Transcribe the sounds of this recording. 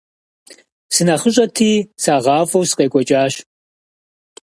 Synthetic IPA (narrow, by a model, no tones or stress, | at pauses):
sɨnɐχəɕ̬ʼɐtʰiːsaːʁɑːfɐwsɨ̥qʼeːkʷʼɔt͡ʃʼaːɕ